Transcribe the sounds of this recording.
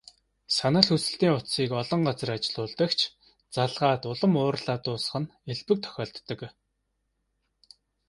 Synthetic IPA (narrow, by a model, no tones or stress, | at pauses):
sanə̆ɮxusɘ̆ɬt̪iːŋʊt̪siːkɔɮɞ̆ɴɢat͡sə̆rat͡ɕɪ̆ɮʊːɮt̪ə̆kt͡ɕʰ | t͡saɮʁaːt̪ʊɮɞ̆mʊːrɮaːt̪ʊːsə̥̆χə̆neɮpɘ̆k̚t̪ʰœ̥xʲɔːɬt̪ːə̆k